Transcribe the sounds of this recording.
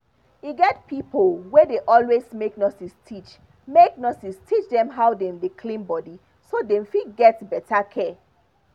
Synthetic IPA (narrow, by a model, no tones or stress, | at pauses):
iɡɛt̚pʰipolwɛdeʔɔlwezmek̚nɔsistʰit͡ʃ | mek̚nɔsistʰit͡ʃdɛ̃mɦaʊdɛ̃mdekʰlĩnbɔdi | sodɛ̃mfiɡɛtbɛtʰakʰɛ